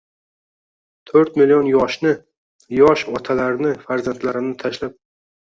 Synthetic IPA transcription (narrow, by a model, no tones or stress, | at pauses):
t̪ʰɵɾt̪mɪlijɒnjɒʃnɪ | jɒʃɒt̪ʰalaɾnɪfaɾzant̪laɾɪmnɪt̪ʰaʃlap̚